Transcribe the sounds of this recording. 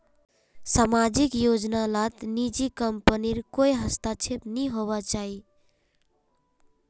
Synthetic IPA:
samad͡ʒikjod͡ʒnalat̪nid͡ʒikəmpəniɾkojɦəst̪at͡ʃʰepniɦoβat͡ʃaɦi

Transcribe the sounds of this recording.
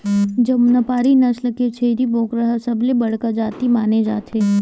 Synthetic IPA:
d͡ʒɐmnɐpaːɾinɐsləket͡ʃʰeɾiboːkɾɐɦəsɐblebɐɽ̤kad͡ʒaːt̪imaːned͡ʒaːt̪ʰeː

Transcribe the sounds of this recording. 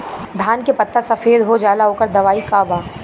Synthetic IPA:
d̪ʱaːnkepɐt̪ːəɾsɐfeːd̪ɦod͡ʒaːlaɦoːkəɾd̪ɐʋaːikaːbaː

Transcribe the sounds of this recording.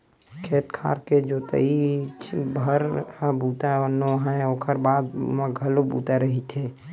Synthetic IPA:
kʰeːt̪kʰa̰ːɾked͡ʒot̪ə̰it͡ʃbʱəɾabuːt̪aɔnoɦãɛ̃oːkʰəɾbaːd̪mẽɡʱəlobṵːt̪aɾəɦit̪ʰe

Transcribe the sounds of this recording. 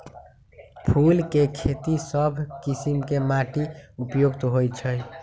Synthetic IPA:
pʰulkekʰet̪isəbʱkisimkemaʈiupjoɡt̪ɦojt͡ʃʰəj

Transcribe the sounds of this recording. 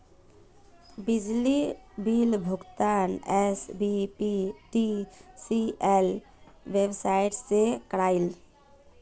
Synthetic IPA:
bɪd͡ʒlibilbʱʊɡt̪anɛsbipiʈisiɛl | ʋebsaɪʈsekɾaːɪl

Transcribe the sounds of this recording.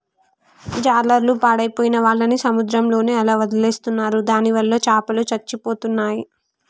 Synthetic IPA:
d͡ʒaːɾlɐɾlupaːɽɐjipoːjinɐʋaːɭːɐnisɐmud̪ɾɐmlo̞ːneːɐlaːʋɐd̪ɐle̞ːst̪unːaːɾud̪aːniʋɐlːɐt͡ʃaːpɐlut͡ʃɐɾt͡ʃːipo̞ːt̪unːaːji

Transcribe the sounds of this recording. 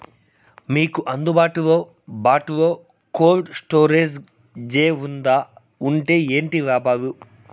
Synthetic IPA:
miːkuʔɐnd̪ubaːʈuʋoː | baːʈuʋoː | koːlɖsʈoːɾeːd͡ʒ | d͡ʒeːund̪aː | uɳʈeːeːɳʈiʋaːpaːʋu

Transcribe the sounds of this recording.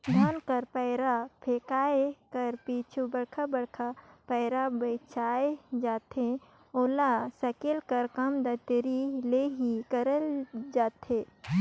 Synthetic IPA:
d̪ʱaːnkəɾpɛːɾapʰeːkaːekəɾpiːt͡ʃʰubɐɽkʰabɐɽkʰapɛːɾabət͡ʃʰaːed͡ʒaːt̪e | oːlasɐkɪlkɐɾkɐmd̪ɐt̪ɾileɦikəɾəld͡ʒaːt̪e

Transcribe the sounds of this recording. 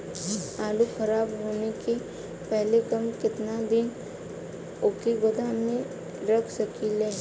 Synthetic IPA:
aːlukʰɐɾaːbɦoːneke | pɛɦlekɐmkɪt̪nad̪ɪn | oːkiɡʊd̪ammẽ | ɾɐkʰsɐkileː

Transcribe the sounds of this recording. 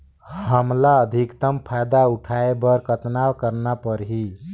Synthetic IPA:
həmlaəd̪ʱikt̪əmpʰajd̪auʈʰaebəɾkət̪nawkəɾnapəɾɦi

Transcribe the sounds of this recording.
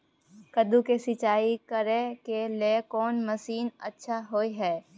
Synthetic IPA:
kəd̪ukesɪt͡ʃaːikəɾekelekɔːnməsiːnə̰tːʃʰaɦoːiɦɛː

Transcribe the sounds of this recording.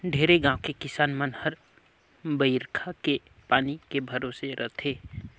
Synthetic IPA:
ɖʱeːɾeɡãʊkekɪsaːnmənhəɾ | bəɪɾkʰake | paːnikebʱəɾoːseɾʔət̪ʰeː

